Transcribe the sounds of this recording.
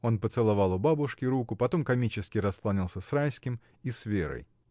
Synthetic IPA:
o̞npət̪sɨlˠɐvɑlˠʊbabʊʂkʲɪɾukʊpɐt̪o̞mkɐmʲit͡ɕɪskʲɪɾɐsklˠanʲilˠsʲəsrajskʲɪm | isvʲeɾə̰j

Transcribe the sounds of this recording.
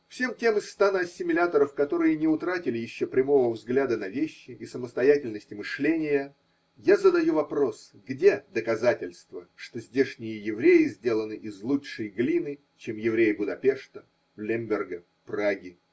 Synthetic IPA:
fsʲe̞mtʲe̞mɨst̪anəɐsʲːɪmʲɪlʲat̪əɾəfkɐt̪o̞ɾɨjənʲɪʊt̪ɾatʲɪlʲɪjɪɕːopɾʲɪmo̞vəvzɡlʲad̪ənɐvʲeɕːɪɪsəməst̪ɐjætʲɪlʲnəsʲtʲɪmɨʂlʲenʲɪjə | jazəd̪ɐjuvɐpɾo̞s | ɡdʲe̞d̪əkɐzatʲɪlʲst̪vəʂt̪o̞zʲdʲe̞ʂnʲɪjəjɪvɾʲejɪzʲdʲelˠənɨʔɪzlˠutʂɨjɡlʲinɨ | t͡ɕemjɪvɾʲejbʊd̪ɐpʲe̞ʂt̪ə | vlʲemʲbʲɪrɡə | praɡʲɪ

